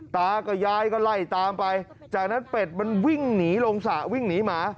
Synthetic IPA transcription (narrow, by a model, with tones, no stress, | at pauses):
t̪aː˦˥˩kɔː˥˩jaː˦˥˩jkɔː˥˩la˧˩jt̪aː˧mpa˧j | t͡ɕaː˨˩k̚na˦˥npe˨˩t̪̚ma˧nwi˥˩ŋniː˩˦lo˧ŋsa˨˩wi˥˩ŋniː˨˦˥maː˧